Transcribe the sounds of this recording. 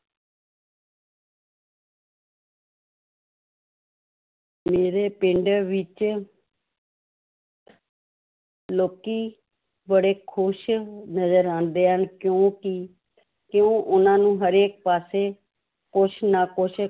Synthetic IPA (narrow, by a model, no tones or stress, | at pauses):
meːɾeːpɪɳɖʋɪt͡ʃ | loːkiː | bəɽeːkʰʊʃnəzəɾãːnd̪eːɦənkjõːkɪ | kjõːʔʊnãːnũːɦəɾeːk̚paːseː | kʊʃnaːkʊʃ